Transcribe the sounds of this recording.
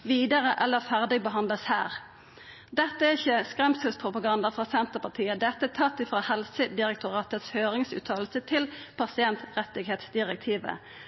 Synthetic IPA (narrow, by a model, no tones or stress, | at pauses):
ʋiːd̪əʁəʔɛlːəfæʁd̪ɪbəɦɑnd̪ləshæ̰ːʁ | d̪ɛt̪ːəæʁɪçːəskʁɛmsəlspʰʁʊpɑɡɑnd̪ɑfʁɑːsɛnt̪əpɑt̪ʰiːəd̪ɛt̪ːət̪ʰɑt̪ːɪfʁɑːhɛlsəd̪ɪʁɛk̚t̪ʰʊʁɑːt̪ət̪shøːʁɪŋsʉ̰ːt̪ʰɑːl̩sət̪ʰɪlpʰɑsɪɛnt̪ʁɛt̪ːɪɡheːt̪sd̪ɪʁɛk̚t̪ʰiːʋə̰